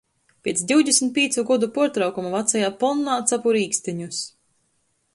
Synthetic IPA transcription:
pʲiɛt̪sd̪ʲiwd̪ʲesmʲt̪̚pʲiɛt̪suɡɔd̪upuɔɾt̪ɾawkumuvat̪sajaːpɔnːaːt̪sapuɾiːksʲt̪iɲus

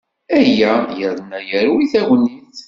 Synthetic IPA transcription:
æjæjəɾnæjəɾuwiθæwənːiθ

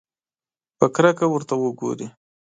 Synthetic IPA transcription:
pəkɾakawəɾt̪awəɡo̰ɾi

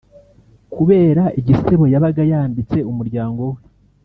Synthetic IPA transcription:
kuβe̞ːɾaʔiɟise̞βo̞jaβaɡajaːmbit͡se̞umuɾɟaːŋɡo̞we

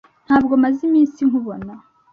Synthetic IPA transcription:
n̥haːbɡo̞mazimiːnsiŋhuβo̞na

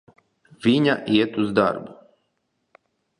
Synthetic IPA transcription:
vʲiɲʲaʔiɛt̪uzd̪a̰ɾbu

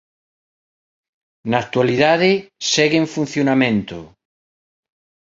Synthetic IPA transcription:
nakt̪waliðaðesɛɣeɱfun̟θjonamẽnt̪o̰

